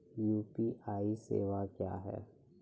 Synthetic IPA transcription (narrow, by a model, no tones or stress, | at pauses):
juːpiʔaːisḛːʋakja̰ːɦɛ̰ː